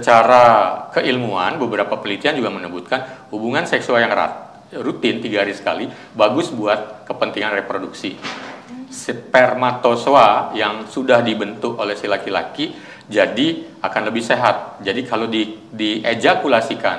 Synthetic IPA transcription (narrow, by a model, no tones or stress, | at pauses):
sət͡ʃaɾakəʔilmuanbəbəɾapapəlit̪iand͡ʒuɡamənəbut̪̚kanhubuŋansɛksualjaŋra̰t̪ | rut̪ɪnt̪iɡaɦaɾisə̥kali | baɡʊsbuat̪̚kəpənt̪iŋanrepɾoduksi | spɛrmat̪osoajaŋsudahdibənt̪ʊkolɛhsilakila̰ki | d͡ʒadi | akanləbɪhseɦat̪̚d͡ʒadikʰalodi | died͡ʒakulasikan